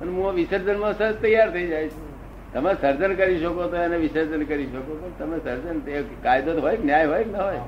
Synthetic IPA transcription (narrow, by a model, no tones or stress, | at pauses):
pənɦũaʋɪsəɾd͡ʒənmãsət̪əjːaɾt̪ʰəid͡ʒajt͡ʃʰũ | t̪əmesəɾd͡ʒənkəɾiʃəkot̪oeneʋɪsəɾd͡ʒənkəɾiʃəkop̪ənt̪əmesəɾd͡ʒənekajd̪ot̪ɦojknjajɦojknəɦoj